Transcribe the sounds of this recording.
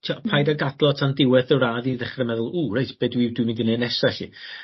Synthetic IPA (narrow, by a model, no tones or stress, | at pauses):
tʰiapʰajdaɡadlˠɔtʰandɪwɛθəraːðiðɛχrɛmɛðʊlˠuːrejtʰb̥eːdwiwdwimindinenɛsaɬḭ